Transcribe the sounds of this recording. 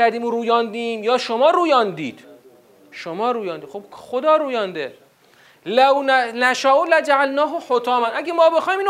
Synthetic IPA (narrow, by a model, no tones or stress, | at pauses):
æɾd̪iːmoɾuːjɒːnd̪iːmjɒːʃomɒːɾuːjɒːnd̪iːd̪̥ | ʃomɒːɾuːjɒːnd̪iːxobxod̪ɒːɾuːjɒːnd̪e | lawnnæʃaːʔolæd͡ʒaʕalnɒːɦoħot̪ʰɒːmænʔæɡʲemɒːbexɒːjmiːn